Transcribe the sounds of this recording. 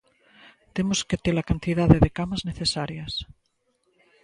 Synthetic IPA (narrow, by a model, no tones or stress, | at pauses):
t̪emosket̪elakant̪iðaðeðekamazneθesaɾjas